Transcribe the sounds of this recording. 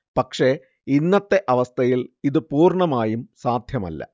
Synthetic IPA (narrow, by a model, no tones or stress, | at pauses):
pɐkʂe̞ | inːɐt̪ːe̞ʔɐʋɐst̪ʰɐjiliðɨpuːrɳɐmaːjumsaːd̪ʱjɐmɐ̰lːɐ̰